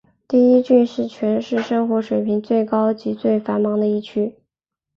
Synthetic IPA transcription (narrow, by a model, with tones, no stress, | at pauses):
t̪i˥˩i˥t͡ɕy˥˧nʂɻ̩˥˩t͡ɕʰɥɛ˧˥nʂɻ̩˥˩ʂɤ˥ŋxwɔ˧˥ʂwe˨˩ɪpʰi˧˥ŋt͡swe˥˩ɪkɑ˥ʊt͡ɕi˧˥t͡swe˥˩ɪfa˧˥nmɑ˧˥ŋd̪ə˧i˥˩t͡ɕʰy˥